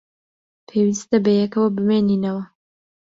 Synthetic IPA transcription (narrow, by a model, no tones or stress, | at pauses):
pʰeːwist̪ɐbɐjɛkɐwɐbɨmeːniːnɐwɐ